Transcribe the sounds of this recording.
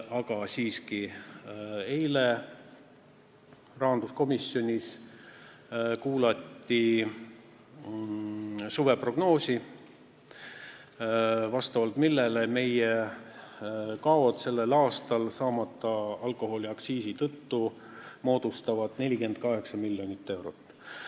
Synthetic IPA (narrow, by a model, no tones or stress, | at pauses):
ɑɡ̥ɑsiːski | ejle | rɑɦɑnd̪usko̞misjo̞nʲis | kuːlɑt̪ːi | suve̞pro̞ɡ̥no̞ːsʲi | vɑst̪ɑvɑlt̪milːeleme̞je | kɑo̞t̪se̞lːelɑːst̪ɑlsɑːmɑt̪ːˑɑɑlko̞ho̞lʲiɑksiːsit̪ɤt̪ːu | mo̞ːd̪̥ust̪ɑvɑd̪̥ne̞lʲike̞nd̪̥̚kɑɦe̞ksɑmilʲːjonit̪ːe̞wɾo̞t̪ː